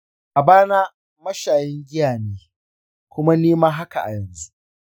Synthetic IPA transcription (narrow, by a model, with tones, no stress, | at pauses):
ʔa˨baː˦na˦ | mɐ˦ʃaː˨jɛ˦ŋɡʲɪ˦jaː˨neː˦ | kʷʊ˦ma˦neː˦maː˦ɦa˦ka˨ʔa̰˨jɐ˨nzu˦ʔ